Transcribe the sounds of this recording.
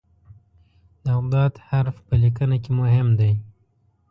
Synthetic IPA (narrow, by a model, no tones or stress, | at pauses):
d̪əaɣd̪ɑt̪haɾfpəlikənakemʊɦɪmd̪aj